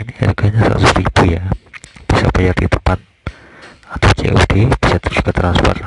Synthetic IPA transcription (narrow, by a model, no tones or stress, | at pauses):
iniha̰ɾɡaɲasa̰suɾiibujab̥isa̰pajard̪ḭt̪əpan | at̪awt͡ʃḛʔṵd̥eb̥isat̪əɾuskət̪ɾanspɔ̰r